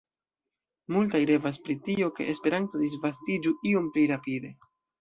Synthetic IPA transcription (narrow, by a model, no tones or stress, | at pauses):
multajɾe̞vas̬pɾitio̞ke̞̰ʔespe̞ɾanto̞d̪isvastid͡ʒuio̞mpliɾapide̞